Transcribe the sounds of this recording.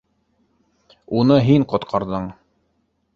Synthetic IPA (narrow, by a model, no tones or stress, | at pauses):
unɤɦiɴqŏt̪qʰɑɾðɤɴ